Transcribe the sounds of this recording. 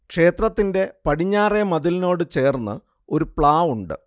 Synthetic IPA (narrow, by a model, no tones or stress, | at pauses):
kʂe̞ːt̪rɐt̪ːinde̞pɐɽiɲːaːremɐðilino̞ːɽɨt͡ɕe̞ːrnːɨ̰ | o̞ɾupɭaːʋuɳɖɨ̰